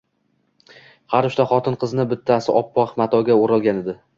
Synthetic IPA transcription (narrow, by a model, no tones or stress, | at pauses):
haɾʊʃt̪aχɒt̪ɪnqʰɨznɪbɪt̪ʰːasɪʔɒpʰːɒqmat̪ʰɒɡʲaoɾalˠɡʲaned̪ɪ